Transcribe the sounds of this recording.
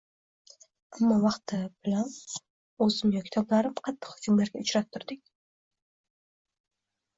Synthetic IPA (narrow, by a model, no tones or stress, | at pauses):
amːɒwɑqt̪ɪbɪlan | ozɪmjokʲʰɪ̥t̪ʰɒblaɾɪmqʰɑt̪ʰːɨ̥qhʊkʲʰymlaɾɡʲaʊt͡ʃɾat̪ʰːʊɾd̪ɪkʲ